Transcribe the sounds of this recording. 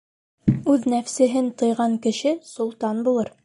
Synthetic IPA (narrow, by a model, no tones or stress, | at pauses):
ʉðnæfsɘ̆ɦɘnt̪ɤ̆jʁɑŋkɘ̆ʃɘsulˠt̪ɑnbulˠɤɾ